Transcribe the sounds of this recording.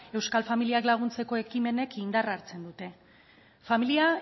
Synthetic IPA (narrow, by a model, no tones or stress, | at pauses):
e̞wskalfamiliaklaɣ̞unt͡se̞ko̞e̞kime̞ne̞kind̪araɾt͡se̞nd̪ut̪e̞ | familia